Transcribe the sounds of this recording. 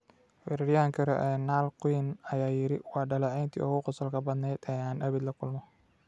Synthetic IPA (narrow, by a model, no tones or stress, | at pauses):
wɛɾɾjaːŋkʰɐɾɛ̰ʔɛːnaːlqwɪnɐjaːjɪɾɪwɑːɖɐlɛʕɛjnt̪ʰḭːʔɔɣʊqɔsɐlkʰɐbɐd̪nɛːd̪ɛːaːnɐβɪd̪lɐkʰʊlmɔ